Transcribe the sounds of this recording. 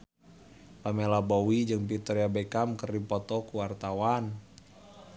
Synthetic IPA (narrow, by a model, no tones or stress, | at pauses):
lamɛlabɔwid͡ʒɨŋpit̪ɔɾiabɛkamkərdipɔt̪ɔkuwart̪awan